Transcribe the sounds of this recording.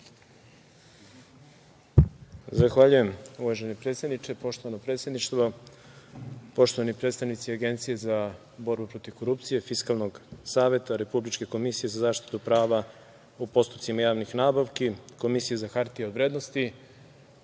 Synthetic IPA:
zaxʋaʎuje̞muʋaʒenepɾet̪sjed̪nit͡ʃe̞po̞ʃt̪o̞ʋanopɾe̞t̪sʲjed̪niʃt̪ʋo | po̞ʃt̪oʋanipɾe̞t̪st̪aʋnit̪siaɡe̞nt̪sije̞za | bo̞ɾbupɾo̞t̪iʋko̞ɾup̚t̪sije̞fiskalˠno̞ɡsaːʋe̞t̪aɾe̞publit͡ʃke̞ko̞misije̞zazaːʃt̪i̥t̪upɾaːʋa | upo̞st̪u̥pt̪simajaːʋnixnaːbaʋkiko̞misijezaxaɾt̪ieoʋɾe̞ːd̪nost̪i

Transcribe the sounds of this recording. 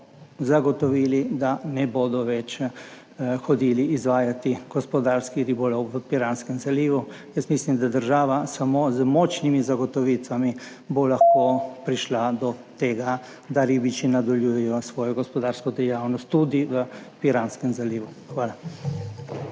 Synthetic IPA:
zaɡɔt̪ɔʋiːlid̪anɛboːd̪ɔʋɛt͡ʃ | xɔd̪iːliːzʋaːjat̪iɡ̥ɔspɔd̪aːɾskiɾibɔlɔwʋəpiɾanskəmzaliːʋujəst̪mislimd̪ad̪əɾʒaːʋasamoːzmɔːt͡ʃnimizaɡɔt̪ɔʋiːt̪ʋami | bolaxkopɾiʃlad̪ɔt̪eːɡa | d̪aɾibit͡ʃinad̪ɔljuːjɛjɔsʋɔːjɔɡɔspɔd̪aːɾskɔd̪ɛjaːwnɔst̪ːud̪iʋəpiɾaːnskɛmzaliːʋuxʋaːla

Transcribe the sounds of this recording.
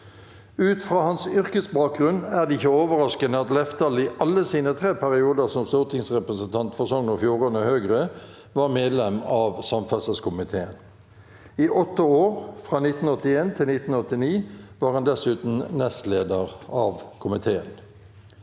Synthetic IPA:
ʉːt̪fʁɑːhɑnsʏʁkəsbɑːk̚ɡʁʉnæʁd̪ɛɪçəoːʋəʁɑskənəɑt̪lɛft̪ɑlɪʔɑlːəsiːnət̪ʰʁeːpʰæʁɪuːd̪əʁsɔmst̪uːʁt̪ʰɪŋsʁɛpʁəsənt̪ʰɑnt̪fɔʁsɔŋnʊfjuːʁonəhøːɡʁə | ʋɑːʁmeːd̪lɛmɑʋsɑmfɑsəskʰʊmɪt̪ʰeːən | iːʔɔt̪ːəoːʁfʁɑːnɪt̪n̩ɔt̪ːɪeːnt̪ʰɪlnɪt̪n̩ɔt̪ːɪniːʋɑːʁhɑnd̪ɛsʉːt̪n̩nɛst̪leːd̪əʁɑʋkʰʊmɪt̪ʰeːən

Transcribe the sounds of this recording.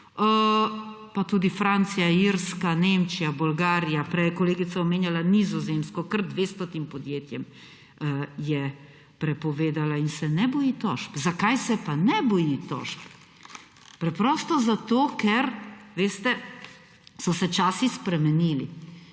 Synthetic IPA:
ə | pat̪uːd̪ifɾant̪sijaiɾskanemt͡ʃijabulɡaːɾijapɾɛjɛkɔleːɡit̪saomeːnjalanizɔzemskɔkəɾd̪ʋeːst̪ɔt̪impɔd̪jeːt̪jɛm | jɛ | pɾɛpɔʋeːd̪alainsɛnɛbɔjit̪ɔ̰ʃpzakajsɛpanɛbɔjit̪ɔ̰ʃp | pɾɛpɾɔːst̪ɔzat̪oːkɛɾʋeːst̪ɛ | sɔsɛt͡ʃaːsispɾɛmɛniːlḭ

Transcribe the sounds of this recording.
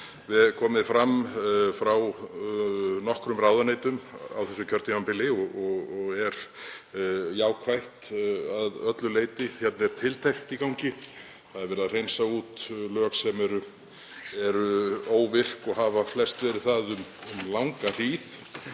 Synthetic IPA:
vɪðkʰɔːmɪðfɾamːfɾaw | nɔhkɾʏmrawðanejt̪ʏma̰wθɛsːʏcʰœɾt̪ɪvampɪlɪɔɔɣɔɣɛɾ | jaːwkʰvajht̪aðœt̪lʏleːjt̪ɪçɛt̪nɛɾ̥t̪ʰɪlt̪ʰejxt̪ikawɲcɪ | θaðɛɾvɛɾɪðaðr̥ejnsaut̪lœːksɛmɛɾʏ | ɛɾoːwvɪr̥kɔɣɦavaflɛst̪vɛːɾɪɾθaðʏmmlawŋkar̥iːð

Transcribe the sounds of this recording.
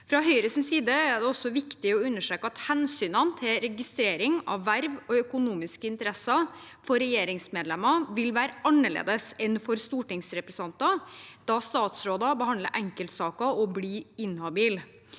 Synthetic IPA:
fɾɑɦœʏɾəsnsiːd̪əæɖ̪ɛɔsɔʋɪkt̪ɪɔʉnːəʂɾøːkəɑt̪hɛnsyːnɑnt̪ʰɪlɾɛɡɪst̪ɾeːɾɪŋɑ̰ʋːæɾʋɔœkʊnuːmɪskəɪnt̪əɾɛsːɑ | fɔɾɛjeːɾɪŋsmeːd̪lɛmɑʋɪlʋæːɾəʔɑnːəɭḛːd̪əsɛnfɔɾst̪uːʈɪŋsɾɛpɾɛsɑnt̪ɑd̪̥ɑːst̪ɑːt̪sɾoːd̪ɑbəhɑnd̪lə̰ɾʔɛŋkəlt̪sɑːkɑɔbliːɪnhɑbiːl

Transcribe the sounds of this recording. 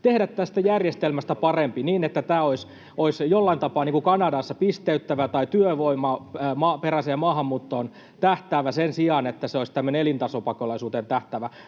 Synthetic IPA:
t̪ehdæt̪t̪æst̪æjærjest̪elmæst̪æpɑrempiniːnet̪ːæt̪æːois | oisjolːɑint̪ɑpɑːniŋkukɑnɑdɑsːɑpist̪eyt̪ːæʋæt̪ɑit̪yøʋoimɑmɑːperæsejɑmɑːhɑmːuːt̪ːoːn | t̪æht̪æːʋæsensiɑnet̪ːæseoist̪æmːøneelint̪ɑsopɑkolɑisuːt̪ent̪æht̪æʋæ

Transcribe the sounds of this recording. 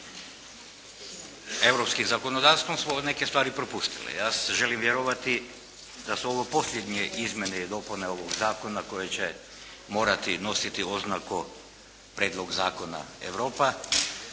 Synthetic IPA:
e̞ʋɾo̞pskimzako̞nod̪aːʋst̪ʋomsmone̞kest̪ʋaːɾipɾopust̪ilḛjaːseʒe̞limʋjeɾoʋat̪i | d̪asuo̞ʋopo̞sʎʲjed̪ɲeʔizmjeneid̪o̞puneo̞ʋoɡzaːko̞nako̞jet͡ɕe | mo̞ːɾat̪ino̞sit̪io̞znaku | pɾe̞ːd̪lˠoɡzaːkona̰ḛʋɾoːpa

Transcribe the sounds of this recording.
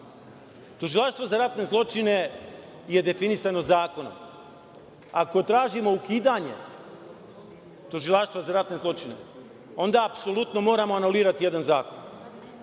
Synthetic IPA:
t̪uʒilaʃt̪ʋo̞zaɾat̪ne̞zlˠo̞t͡ʃine̞ | je̞d̪e̞finisanozaːko̞no̰m | ako̞t̪ɾaːʒimo̞ukiːd̪aɲe̞̰ | t̪uʒilˠaʃt̪ʋazaɾat̪ne̞zlˠo̞t͡ʃinḛ | o̞nd̪aːpso̞lˠut̪no̞mo̞ːɾamo̞anuliːɾat̪ije̞d̪anzaːko̞n

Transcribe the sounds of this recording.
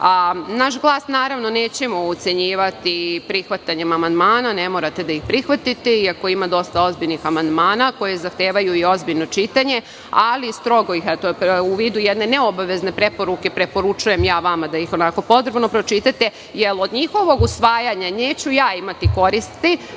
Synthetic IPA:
anaʃɡlˠaːsnaːɾaʋno̞neːt͡ɕe̞mout̪se̞ɲiːʋat̪ipɾixʋat̪aɲe̞mamand̪maːnane̞moɾat̪e̞d̪ajixpɾixʋat̪it̪eiako̞imad̪o̞st̪ao̞zbiʎnixamand̪maːnako̞je̞zaxt̪eːʋajuio̞zbiʎno̞t͡ʃit̪aɲe̞ | alist̪ɾo̞ɡoixɛt̪ouʋiːd̪ujed̪ne̞neobaʋe̞zne̞pɾe̞po̞ɾuke̞pɾe̞po̞ɾut͡ʃuje̞mjaːʋamad̪aixo̞nako̞po̞t̪ɾebno̞pɾo̞t͡ʃit̪at̪e̞ | jelo̞d̪ɲixo̞ʋo̞ɡusʋaːjaɲane̞ːt͡ɕujaːimat̪iko̞ɾist̪i

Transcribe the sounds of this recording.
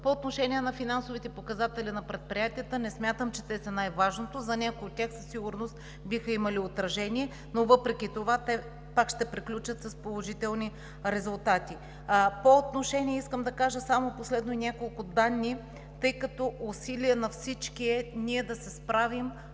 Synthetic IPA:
poːt̪noʃɛnʲiɛnɐfinansovit̪ɛpokɐzat̪ɛlinɐpɾɛt̪̚pɾijat̪ijət̪ənɛsmʲat̪əmt͡ʃɛt̪ɛsʲɐnajvaʒnot̪ozɐnʲakojot̪ʲːjaxsəsːiɡʊɾnost̪ | bixəimɐliot̪ɾɐʒɛniɛ | novɤpɾɛkʲit̪ovat̪ɛ | pakʃt̪ɛpɾiklʲut͡ʃət̪sɐspolˠoʒit̪ɛlˠni | ɾɛzʊlˠt̪at̪i | poːt̪noʃɛnʲiɛiskəmd̪ɐkaʒəsamoposlɛd̪noinʲjakolˠkʊd̪anːi | t̪ɤjkɐt̪ɔʔʊsiliənɐfsit͡ʃkiɛniɛd̪ɐsɛspɾavim

